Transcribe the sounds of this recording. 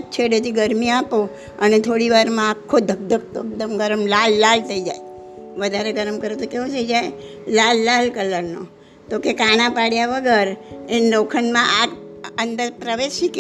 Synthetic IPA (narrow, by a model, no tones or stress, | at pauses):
t͡ʃʰeɽet̪ʰiɡəɾmiapo | ənet̪ʰoɽiʋaɾmãːkʰːod̪ʱəɡ̚d̪ʱək̚t̪oek̚d̪əmɡəɾəmlalːalt̪ʰəid͡ʒa̰j | ʋəd̪ʱaɾeɡəɾəmkəɾet̪okeʋõt̪ʰəid͡ʒaj | lalːalkələɾno̰ | t̪okekanãpaɽjaʋəɡəɾenlokʰənmãʔaənd̪əɾpɾəʋesik